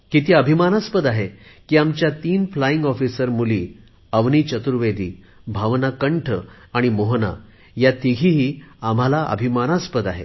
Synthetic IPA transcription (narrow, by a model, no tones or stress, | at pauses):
kit̪iːəbʱimanaspəd̪aɦekiːamt͡ɕjat̪iːnflaĩŋɡɔfisəɾmuliː | əʋniːt͡ɕət̪uɾʋed̪iː | bʱaʋnakəɳʈʰə | aɽ̃imoɦna̰ | jat̪iɡʱiɦiːam̤alaʔə̰bʱimanaspəd̪aɦḛ